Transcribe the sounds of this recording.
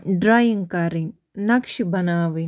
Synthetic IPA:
ɖɾaːjiŋkaːɾiŋ | nɐkʃibɐnaːʋi

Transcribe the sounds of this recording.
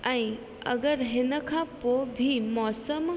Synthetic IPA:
ɛ̃ː | ɐ̰ɡəɾɦɪnə̆kʰãpobʱimɔːsəm

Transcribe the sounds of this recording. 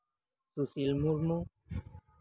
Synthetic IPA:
susilmuɾmõ

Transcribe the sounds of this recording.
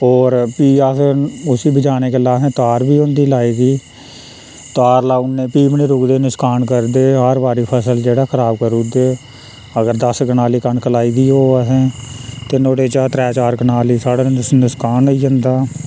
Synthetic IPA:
ɔːɾpiːasʊsiːbəd͡ʒaːneːkeːlaːsɛ̃ːt̪aːɾbiːʊ̃nd̪iːlaːeːɡiː | t̪aːɾlaːʊnːẽːpiːbniːɾʊkd̪eːnɪskaːnkəɾd̪eːɦaɾʋaːɾiːpʰəsəld͡ʒeːɽaːkʰəɾaːb̚kəɾuːd̪eː | əɡəɾd̪əsɡənaːliːkənkəlaːiːd̪iːɦoːaɦɛ̃ːt̪eːnoːɽeːt͡ʃaːt̪ɾɛːt͡ʃaːɾɡənaːliːsaːɽaːnɪskaːniːd͡ʒə̃nd̪aː

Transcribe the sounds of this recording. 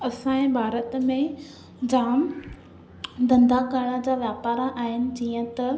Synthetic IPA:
ɐsãːẽbʱaːɾət̪mẽ | d͡ʑaːm | d̪ɐ̃nd̪akaɽad͡ʑaːʋjaːpaːɾaʔaːɦɪnɪ̆d͡ʑiːə̃t̪ɐ

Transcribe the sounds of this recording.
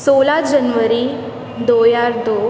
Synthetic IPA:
solad͡ʑənʋəɾi | d̪ojaɾd̪o

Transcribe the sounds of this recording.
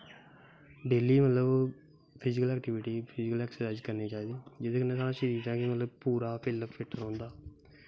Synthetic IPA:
ɖeːliːmət̪ləb | pʰɪd͡ʒɪkəlɛːkʈɪʋɪʈiːpʰɪd͡ʒɪkəlɛːksəɾəd͡ʒkəɾniːt͡ʃaːiːd̪iːd͡ʒɪd̪eːkənːeːsaːnaːʃəɾiːd̪ãːkɪmət̪ləbpuːɾaːpʰɪləppʰɪʈːəɾõːnd̪aː

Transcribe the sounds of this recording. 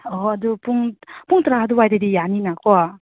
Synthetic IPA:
ɔɐd̪upuŋpuŋt̪ɾaɦad̪uwajdedijaninakɔa

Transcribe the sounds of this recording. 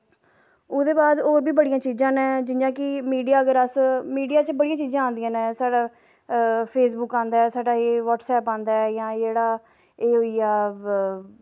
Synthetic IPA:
ʊd̪eːbaːd̪oːɾbiːbəɽijãːt͡ʃiːzãːnɛ̃ːd͡ʒɪnjãːkɪmiːɖijaːəɡəɾəsmiːɖijaːt͡ʃəbəɽijãːt͡ʃiːzãːãːnd̪ɪjãːnɛ̃ːsaːɽaː | pʰeːsbʊkãːnd̪aːɛsaːɖaːeːʋɔːʈsɛːpãːnd̪aːɛjãːd͡ʒeːɽaː | eːɦoːiːaː

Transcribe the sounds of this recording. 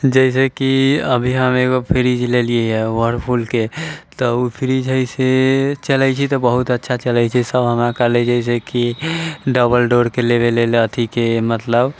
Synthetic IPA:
d͡ʒəis̬ekiəbʱiɦəmeɡopʰiɾid͡ʒlelieɦɛwəɾpʰulket̪ɔupʰiɾid͡ʒɦəjset͡ʃəlɛt͡ʃʰit̪ɔbəɦut̪ətːʃʰat͡ʃəlɛjt͡ʃʰisəbɦəmɾakəled͡ʒəis̬ekiɖəbəlɖoɾkelebelelət̪ʰikemət̪ləb

